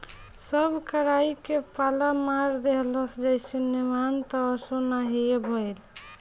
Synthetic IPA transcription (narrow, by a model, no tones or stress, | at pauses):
səbʱkəɾaikepalamaɾd̪eɦləsd͡ʒəɪsenemant̪ɔːsonaɦiebʱɔjl